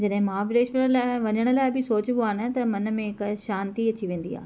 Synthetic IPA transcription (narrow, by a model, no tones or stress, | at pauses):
d͡ʑɐɗɦɪ̃maʋɪɾeːʃəɽ̃laːɪʋɐɲəɽ̃əlaːɪbʱɪsoːt͡ɕboaːnət̪ɐmɐnə̆mẽɪkʃaːnt̪iɐt͡ɕiʋẽːn̆d̪ḭa̰ːɦ